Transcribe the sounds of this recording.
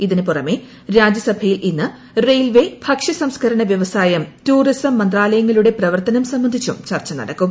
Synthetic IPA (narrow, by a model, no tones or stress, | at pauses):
iðinɨpurɐme̞ | ɾaːd͡ʑjɐsɐbʱɐjilʔinːɨ | rejlʋe̞bʱɐkʂɐsɐmskʰɐɾɐɳɐʋjɐʋɐsaːjɐmtuːrisɐmːɐnd̪raːlɐjɐŋːɐluɽe̞prɐʋɐrt̪ɐnɐmsɐmbɐnd̪ʱit͡ɕːṵmt͡ɕɐrt͡ɕːɐnɐ̰ɽɐkːum